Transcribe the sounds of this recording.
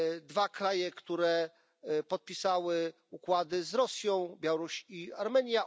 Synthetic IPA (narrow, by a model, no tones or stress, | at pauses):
d̪vakɾajɛkt̪uɾɛ | pɔt̪̚pʲisawɘ | ukwad̪ɘzɾɔsʲjɔ̃w̃bʲjawɔɾuɕiaɾmɛɲja